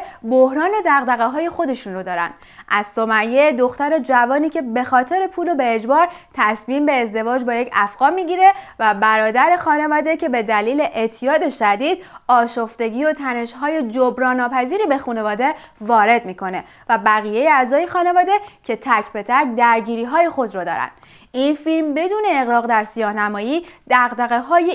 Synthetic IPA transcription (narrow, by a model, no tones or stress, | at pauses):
bohɾɒːno̞d̪æɣd̪æɣeɦɒːje̞xo̞d̪e̞ʃunrod̪ɒːɾæ̰nd̪ | ʔæzso̞mæjːe̞d̪oxt̪æɾe̞d͡ʒævɒːniːcʰe̞be̞xɒːt̪ʰe̞ɾe̞pʰuːlobe̞ːd͡ʒbɒːɾt̪ʰæsmiːmbe̞ːzd̪e̞vɒːd͡ʒbɒːje̞cʰæfɢ̥ɒːɾmiːɟiːɾe̞væbæɾɒːd̪æɾe̞xɒːne̞vɒːd̪e̞cʰe̞be̞d̪æliːle̞ʔet̪ʰːijɒːd̪e̞ʃæd̪iːd̪̚ɒːʃofd̪e̞ɟiːot̪ʰæne̞ʃɦɒːje̞d͡ʒobɾɒːnːɒːpæziːɾiːbe̞xune̞vɒːd̪e̞vɒːɾe̞d̪miːkʰo̞ne̞ | væbæɣije̞jeæzɒːjexɒːne̞vɒːd̪e̞cʰe̞t̪ʰæcʰbe̞t̪ʰækd̪æɾɟiːɾiːɦɒːje̞xo̞d̪ɾɔːd̪ɒ̰ːɾæ̰nd̪̥ | ʔinfilmbe̞d̪uːne̞ːɣɾɒːɣd̪æɾsijɒːhnæmɒːjiːd̪̥æɣd̪æɣe̞ɦɒːje